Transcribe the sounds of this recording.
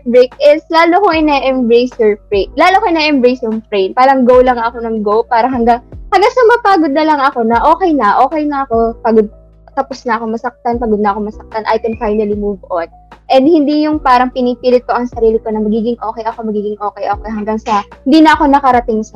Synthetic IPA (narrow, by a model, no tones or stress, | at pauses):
bɹek̚ɪslaːlokoŋɪnɛʔɛmbɹejsɛɹpɹetlaːlokoʔɪnɛʔɛmbɾejsompɾɛjnpaːɾɐŋɡowlɐŋɐko̞nɐŋɡowpaːɾɐɦɐŋɡaŋhɐŋɡaŋsɐmɐpaːɡod̪̚nɐlɐŋɐko̞nɐʔo̞ːkɛjnɐʔo̞ːkɛjnɐɐko̞paːɡod̪̚ | t̪ɐposnɐʔɐko̞mɐsɐk̚t̪anpaːɡod̪nɐʔɐkomɐsɐk̚t̪anʔa̰jt̪ɛnfajnɐlimuːvʔon | ʔɛnd̪̚hɪnd̪ijʊŋpaːɾɐŋpɪniːpiːlɪt̪̚ko̞ʔɐŋsɐɾiːlɪko̞nɐmɐɡiːɡɪŋʔo̞ːkɛjʔɐko̞mɐɡiːɡɪŋʔo̞ːkɛjʔoːkɛjɦɐŋɡaŋsɐhɪnd̪iːnɐʔɐko̞nɐkɐɾɐt̪ɪŋsɐ